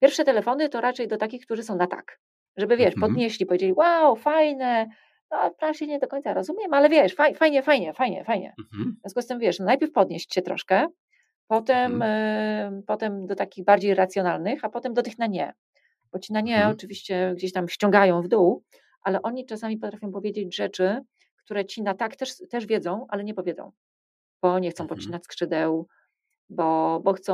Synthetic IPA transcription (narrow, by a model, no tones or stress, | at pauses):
pʲjɛɾfʂɛt̪ɛlɛfɔnɘt̪ɔɾʔat͡ʂɛjd̪ɔt̪akʲixk̚t̪uʐɘsɔ̃w̃nat̪a̰k | ʐɛbɘvʲjɛʂpɔd̪ɲeɕlʲipɔvʲjed͡ʑelʲiwawfajnɛ | nɔapɾavɕɛɲɛd̪ɔkɔɲ̃t̪saɾɔzumʲɛmalɛvʲjɛʂfajfajɲɛfajɲɛfajɲɛ̰fajɲɛ̰vʲjɔ̃nskɛst̪ɛmvʲjɛʂnɔnajpʲjɛɾfpɔd̪̚ɲeɕt͡ɕɕɛt̪ɾɔ̰ʂkɛ | pɔt̪ɛm | pɔt̪ɛmd̪ɔt̪akʲiɣbaɾd͡ʑejɾat̪sjɔnalnɘxapɔt̪ɛmd̪ɔt̪ɘxnaɲɛ | b̥ɔt͡ɕinaɲɛɔt͡ʂɘvʲiɕt͡ɕɛɡd͡ʑeɕt̪amɕt͡ɕɔ̃ŋɡajɔ̃w̃vd̪uw | ʔalɛʔɔɲit͡ʂasamʲip̬ɔt̪ɾafʲjɔ̃w̃pɔvjed͡ʑed͡ʑʐɛt͡ʂɘ | kt̪uɾɛt͡ɕinat̪akt̪ɛʂt̪ɛʐvʲjɛd̪zɔ̃w̃ʔalɛɲɛpɔvʲjɛd̪zɔ̰̃w̃ | b̥ɔɲɛxt̪sɔ̃w̃pɔt͡ɕːinat͡ɕʲskʂɘd̪ɛw | bɔbɔxt̪sɔ̃